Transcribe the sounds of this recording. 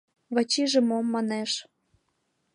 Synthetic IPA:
βɑt͡ɕiʒĕmomːɑneʃ

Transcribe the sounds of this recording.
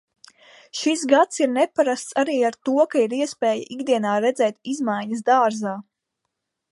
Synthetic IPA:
ʃisɡat̪siɾnɛpaɾast̪saɾiːaɾt̪uɔkaiɾiɛspɛːjaʔiɡd̪iɛnaːɾɛd̪zɛːt̪izmajɲəzd̪aːɾzaː

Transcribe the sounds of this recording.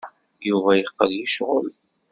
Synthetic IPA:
juvæjəqːəlːiʃʁʊ̰l

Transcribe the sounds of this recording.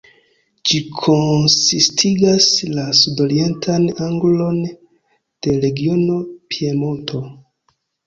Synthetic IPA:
d͡ʒikʰo̞nsistʰiɡaslasudo̞ɾie̞ntʰanaŋɡlo̞n | d̥e̞ɾe̞ɡio̞no̞pʰie̞montʰo̞

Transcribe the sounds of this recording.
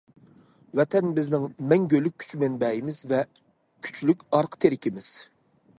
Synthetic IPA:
wɛt̪ʰɛnbɪznɪŋmɛŋɡʲølyk̚ʲʰy̥t͡ʃʰmɛnbɛjimɪzvɛ | kʲʰy̥t͡ʃʰlykʲɑɾqʰə̥t̪ʰeɾɪkʲimɪz̥

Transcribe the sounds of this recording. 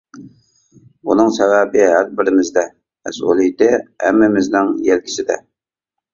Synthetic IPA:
unɨŋsævæbɪɦæɾbɪɾɪmɪzd̪ɛ | mɛ̰sṵlˠijɪt̪ɪhɛ̰mːɪmɪznɪŋjɛlkʲʰi̥sɪd̪ɛ̰

